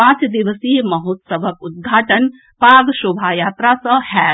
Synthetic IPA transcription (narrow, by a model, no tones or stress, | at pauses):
pãːt͡ʃd̪iʋəsiːmɐɦot̪sɐʋɐkud̪̚ɡʱaːʈən | paːɡʃubʱaːjaːt̪ɾasɐhɛː